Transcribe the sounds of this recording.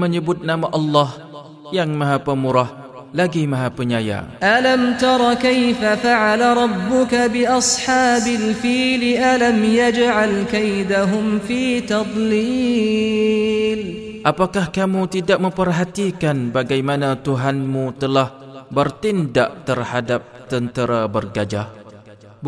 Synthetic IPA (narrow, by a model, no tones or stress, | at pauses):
məɲəbʊt̪̚namaʔɑlːɑh | jaŋmãɦapəmuɾah | laɡimãɦapəɲaja̰ʔalamt̪ɑɾˤɑkajfafaʕalaɾˤɑbːʊkabɪʔɑsˤħɑːbalfiːlɪʔalamjad͡ʒʕalkajd̪aɦʊmfiːt̪ɑd̪ˤliː | lʔapakahkamũt̪idak̚mə̃mpərɦat̪ikanbaɡajmanãt̪uɦanmũt̪əlahbərt̪inda̰ʔt̪ərhadap̚t̪ənt̪əɾabərɡad͡ʒa